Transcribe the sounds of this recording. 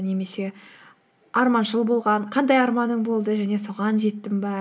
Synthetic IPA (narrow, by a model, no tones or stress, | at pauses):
ne̞me̞se̞ | ɑɾmɑnʒəlˠbo̞lˠʁɑɴqʰɑnd̪ɑjɑɾmɑnəɴbo̞lˠd̪əʒæne̞soʁɑnʒe̞t̪ːɪŋbɑ